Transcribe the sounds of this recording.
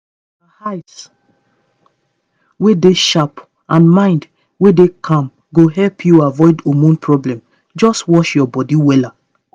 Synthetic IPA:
ahaɪts | wedeʃap | ãnmãɪ̃nd | wedekʰãm | ɡoɦɛlpʰjuavɔɪdomũnpʰɹɔblɛ̃m | d͡ʒɔstwɔʃjɔbɔdiwɛla

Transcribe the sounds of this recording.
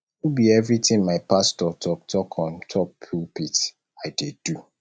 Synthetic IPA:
ubiɛvɹitʰɪ̃ŋmaɪpastɔtʰɔktʰɔkʰɔ̃ntʰɔppʰulpit | aɪded̥u

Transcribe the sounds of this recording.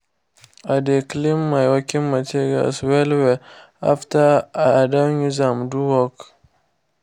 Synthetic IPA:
adeklimːajwakʲinmatiɾa̰lswɛlwɛ | aftaaadaɲuzamduwɔk

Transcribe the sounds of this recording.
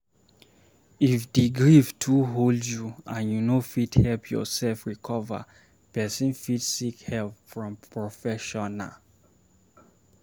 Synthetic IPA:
ifdiɡɹiftʰuɦoldjuãnjunofithɛlpʰjɔ̰sɛlfɹikʰɔva̰ | pɛsĩnfitsikhɛlpfɹɔ̃mpɹɔfɛʃɔna̰

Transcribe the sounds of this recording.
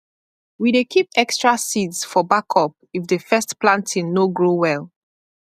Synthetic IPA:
widekip̚ɛkstɹasidsfɔbakʰɔp̚ifdəfɛstplãntʰĩŋnoɡɹowɛl

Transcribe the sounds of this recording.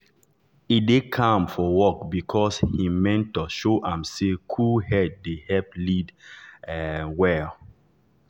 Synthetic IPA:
idekʰãmfɔwɔkbikʰɔshimɛ̃ntːoʃoʔãmsekʰuhɛd̚ːehɛp̚lid | wɛ

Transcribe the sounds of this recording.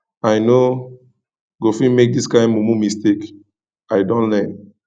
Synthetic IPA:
aɪno | ɡofĩnmek̚diskãɪ̃mmomumistek | aɪdõnlɛn

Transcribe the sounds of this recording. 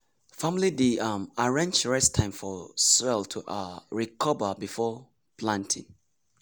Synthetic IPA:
fãmlidiamaɹɛ̃nt͡ʃɹɛstʰãɪ̃mfɔswɛltʰuʔaɹikʰɔbəbifɔ | pʰlãntʰḭ̃ŋ

